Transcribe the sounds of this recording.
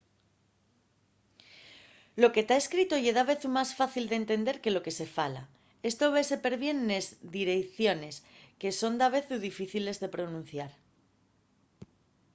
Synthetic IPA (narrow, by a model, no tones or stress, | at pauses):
lo̞ke̞t̪ae̞skɾit̪ojeðaβe̞θumasfaθild̪ent̪e̞nd̪e̞ɾke̞lo̞ke̞se̞fala̰ | e̞st̪o̞βe̞se̞pe̞ɾβje̞nːezd̪iɾe̞kθjo̞ne̞ske̞so̞nd̪aβ̞e̞θuðifiθile̞zðe̞pɾo̞nũn̟θjaɾ